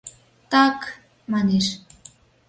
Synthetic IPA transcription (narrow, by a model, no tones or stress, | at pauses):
t̪ɑk | mɑneʃ